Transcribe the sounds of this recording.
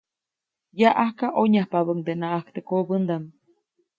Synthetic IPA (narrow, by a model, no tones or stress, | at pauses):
jaʔahkaʔoɲahpaβəŋd̪enaʔakt̪ekobənd̪am